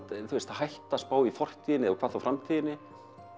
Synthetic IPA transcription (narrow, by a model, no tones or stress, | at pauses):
θuɛst̪ahajht̪aspaːwifɔr̥t̪ʰiːðɪnɪɛakʰvaːθawfɾamt̪ʰiːðɪnːɪ